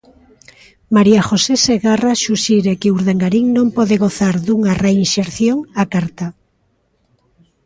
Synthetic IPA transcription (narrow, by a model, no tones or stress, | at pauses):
maɾiaxoseseɣaraʃuʃiɾekɪuɾðeŋɡaɾiŋnõmpɔðeɣoθaɾðuŋareinʃeɾθjoŋakaɾt̪a